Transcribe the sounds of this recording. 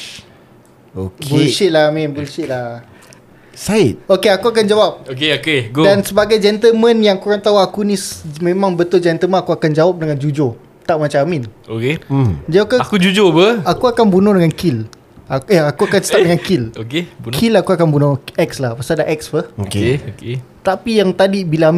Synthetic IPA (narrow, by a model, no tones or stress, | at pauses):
okbulʃit̪̚lamĩnbulʃit̪̚lah | sat̪̚okeakuak̬and͡ʒawap̚okeokeɡodansəbaɡajd͡ʒɛnt̪əlmə̃njaŋkuɾaŋt̪auakunĩsmẽmãŋbət̪ʊld͡ʒɛnt̪əlmə̃nakuakand͡ʒawap̚dəŋand͡ʒud͡ʒo | t̪aʔmat͡ʃaaminoked͡ʒaokaakud͡ʒud͡ʒopəakuakanbunɔ̃dəŋankil | aaakuakansə̥ap̚dəŋankilokekʰilakuakanbunɔ̃ɛkslahpasadaʔɛk̚spəhokeoket̪apijaŋt̪adibilaam